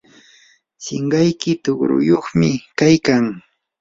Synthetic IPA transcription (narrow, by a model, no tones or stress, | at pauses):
sɪɴɢɑjkɪt̪ʊɢɾʊ̰joχmɪkajkaŋ